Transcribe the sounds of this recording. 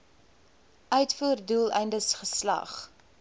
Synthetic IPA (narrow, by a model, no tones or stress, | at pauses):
ʔœɥtfuːrduːlˠɛ̰jndəsχəslɐ̰χ